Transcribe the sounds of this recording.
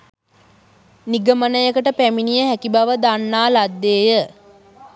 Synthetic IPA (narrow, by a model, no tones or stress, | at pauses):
niɡəmənəjəkəʈəpæminijəhækibaʋəd̪anːaːlad̪ːeːjə